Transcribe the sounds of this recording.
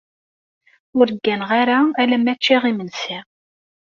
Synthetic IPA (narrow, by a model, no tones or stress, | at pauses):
ʊɾəɡːænʁaɾaælæmæt͡ʃːiʁimənsi